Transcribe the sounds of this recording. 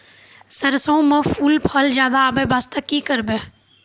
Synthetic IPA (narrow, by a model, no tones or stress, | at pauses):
səɾsõmə̃fʰuːlpʰəld͡ʒjaːd̪aːbebaːst̪əkikəɾbe